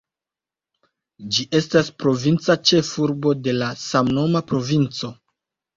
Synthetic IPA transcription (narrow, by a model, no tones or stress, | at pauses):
d͡ʒiʔe̞staspɾo̞vint͡sat͡ʃe̞fuɾbo̞de̞lasamno̞mapɾo̞vint͡so̞